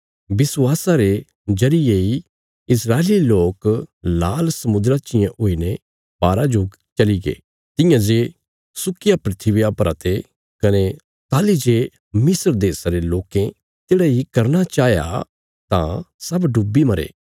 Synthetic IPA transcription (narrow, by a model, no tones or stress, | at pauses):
bɪswaːsaɾe | d͡ʒɐɾɪjei | ɪsɾaːeliloːklaːlsɐmʊ̃d̪ɾat͡ʃɪjãʔoːine | b̥aːɾad͡ʒoː | t͡ʃɐliɡḛː | t̪ɪ̃jãd͡ʒeː | sʊkɪjapɾɪt̪ʰiʋɪjapɐɾa̰ːt̪e | kɐne | t̪aːlid͡ʒeː | mɪsəɾd̪eːsaɾeloːkẽ | t̪eːɽaɦikɐɾnat͡ʃaːja̰ | t̪ã̰sɐbɖubːimɐɾḛː